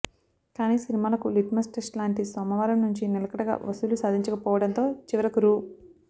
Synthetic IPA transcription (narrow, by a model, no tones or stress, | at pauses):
kaːniːsinimaːlɐkuliʈmɐsʈesʈlaːɳʈisɔːmɐʋaːɾɐmnuɲt͡ʃinilɐkɐɽɐɡa̰ːʋɐst̪ulusaːd̪ʱiɲt͡ʃɐkɐpɔːʋɐɽɐnt̪o̞ːt͡ʃiʋɐɾɐkuɾu